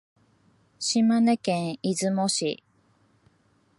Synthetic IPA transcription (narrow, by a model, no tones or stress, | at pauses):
ɕimanekẽɰizɨmoɕḭ